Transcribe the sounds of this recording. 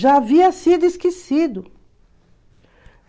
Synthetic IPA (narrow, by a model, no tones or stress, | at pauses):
ʒaaviɐsid̪ʊiskesid̪ʊ